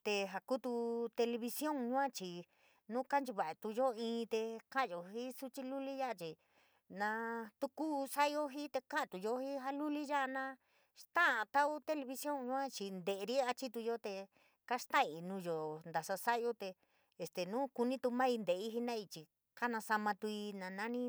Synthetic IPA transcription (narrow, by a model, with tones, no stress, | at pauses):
t̪e˧ɦa˧ku˦t̪u˧t̪e˧le˧βi˧sjõ˦ŋɲũ˦ã˦t͡ʃi˨ | nũ˦ka˦nt͡ʃi˧βa˨e˧t̪u˧jo˦ĩː˧˦˧t̪e˧kã˦˧˨o˨ɦi˦su˦t͡ʃi˦lu˦li˦ja˦ʔa˧t͡ʃi˨ | nã˧t̪u˧ku˦sa˦jo˦ɦi˦t̪e˧kã˦ʔt̪u˨jo˧hi˦ɦa˦lu˦li˦ja˦a˧nã˦˧ | ʂt̪ã˦a˧t̪a˦u˦t̪e˧le˧βi˧sjo˦ŋɲũ˦ã˦t͡ʃi˧nd̪e˨˧ɾi˦a˧t͡ʃi˦t̪u˧jo˦t̪e˧ | ka˦ʂt̪ã˦˨i˨nũː˧jo˨nd̪a˨sa˧sa˦˧jo˦t̪e˧ | e˧st̪e˨nũ˦ku˧nĩ˦t̪u˧mã˦i˧nd̪e˨˧i˦ɦi˦nã˦i˧t͡ʃi˨ | ka˦nã˧sa˧mã˧t̪u˧i˧nã˧nã˦nĩ˦